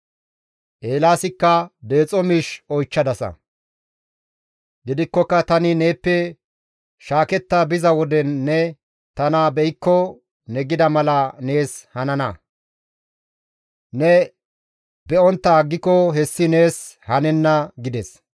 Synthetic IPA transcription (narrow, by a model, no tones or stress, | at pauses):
ʔeːlaːsɪkːɐd̪e̞ːt͡sʼɔmiʃɔjt͡ʃːɐd̪ɐsɐ̰ | ɡɪd̪ɪkːɔkːɐt̪ɐnɪne̞ːpːɛ | ʃaːkɛt̪ːɐbɪzɐwɔd̪ɛnːɛ | t̪ɐnabɛjɪkːɔ | nɛɡɪd̪ɐmɐlɐne̞ːshɐnɐnɐ | nɛ | bɛɔnt̪ːɐɡːɪkːɔɦɛsːɪne̞ːshɐnɛnːɐɡɪd̪ɛs